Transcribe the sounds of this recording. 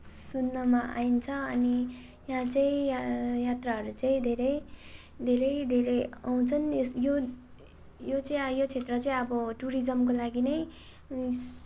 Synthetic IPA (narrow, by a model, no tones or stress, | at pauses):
sunːʌmaa̰int͡sʰʌʌni | jɦãt͡saĩjjat̪raɦʌɾut͡saĩd̪ʱeɾʌj | d̪ʱeɾʌjd̪ʱeɾʌjaw̃t͡sʰʌnsjo | jot͡saĩjot͡sʰet̪rʌt͡saĩʌbʌʈuɾid͡zʌmkolaɡinʌj